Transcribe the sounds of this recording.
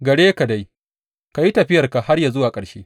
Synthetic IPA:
ɡɐ˨ɽeː˦ka˨da˦j | ka˨ji˦tɐ˨ɸɪ˦jɐ˨rka˨ha˦rja˨zʊ˦waː˨kʼɐ˨ɽʃeː˦

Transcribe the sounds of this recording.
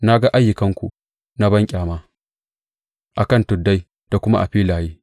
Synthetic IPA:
na˦ɡa˦ʔa˦jːʊ˨kɐ˦ŋkʷṵ˨ | na˦bɐ˦ŋkʲʼaː˨maː˦ | ʔa˨kɐ˦˨ntʊ˨dːa˦j | d̥a˨kʷʊ˦ma̰˦ʔa̰˨ɸiː˦laː˨jiː˦

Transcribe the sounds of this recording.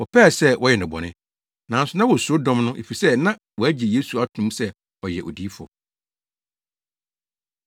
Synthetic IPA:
wɔ˨pʰɛ˦a˨sɛ˦wʔɔ˦jɛ˨nɪ̃˨bɔ̰˨nɪ̃˦ | nã˨n̩˦sʊ˨nã˦wɔ˨so˦dɔ̃˦mnʊ̃˦ʔe˨fi˨sɛ˦nã˦ | wɔ˨æ˦d͡ʑi˨je˦su˨a˦tʰnũ˦sɛ˦ | ɔ˨jɛ˨ʔo̰˨di˦fɔ̰˨

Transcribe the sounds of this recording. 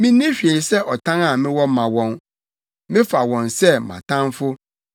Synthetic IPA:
mɪ̃˦nĩ˦ɕᶣɥe˨sɛ˦ʔɔ˨tʰã˦na˨mɪ̃˦wɔ˦mã˨wɔ̃˦n | mɪ̃˦fa˨wɔ̃˨nsɛ˦mã̰˨tʰã˦nfʊ˦

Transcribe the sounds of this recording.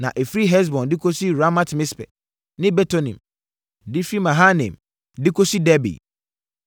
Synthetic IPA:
nã̰˨ʔe˨fɾi˦ɦɛ˦s̬bɔ̃˨ndɪ˦kʰo˦si˦ɾa˦ma˦tmɪ̃˦spɛ̰˨ | nɪ̃˦bɛ˦tʰo˦nḭ̃˨m | dɪ˦fi˦mã˨ɦa˦nḛ̃˨m | dɪ˦kʰo˦si˦dɛ˦bḭ˨

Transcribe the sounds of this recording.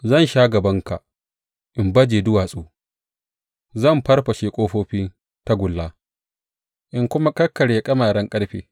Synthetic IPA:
zɐ˦˨nʃaː˦ɡɐ˨bɐ˦ŋka̰˨ | ʔɪ˨mbɐ˦d͡ʒeː˨dʊ˦waː˨sʼuː˦ | zɐ˦˨mɸɐ˦rɸɐ˨ʃeː˦kʷʼoː˦ɸoː˦ɸiː˦ | ta˦ɡʷʊ˨lːaː˦ | ʔɪ˨ŋkʷʊ˦ma˦kʼɐ˦kːɐ˨ɽeː˨kʼɐ˦maː˨ɽɐ˦ŋkʼɐ˦ɽɸḛː˨

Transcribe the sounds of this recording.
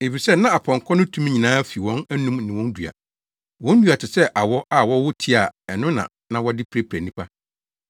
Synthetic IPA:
e˨fi˨sɛ˦nã˦a˨pʰɔ̃˨ŋ˨kʰɔ̃˦nʊ̃˦tʰũ˦m˦ɲĩ˨nãː˦fi˨wɔ̃˦næ˦nũ˦m˨nɪ̃˨wɔ̃˦n˦du˨a̰˨ | wɔ̃˦n˦dɥa˨tʰɪ˨sɛ˦ʔa˨wɔ˦ʔa˦˨wɔ˦wʊ˦tʰi˦a˨ɛ˨nʊ̃˦nã̰˨ | nã˨wɔ˦dɪ˦pʰɾe˦pʰɾæ˨nĩ˦pʰa˦

